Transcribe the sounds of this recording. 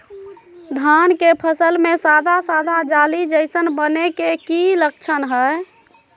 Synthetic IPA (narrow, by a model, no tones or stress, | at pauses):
d̪ʱankepʰəsəlmesad̪ʱasad̪ʱad͡ʒalid͡ʒəɪsənbənekekilək̚t͡ʃʰənɦə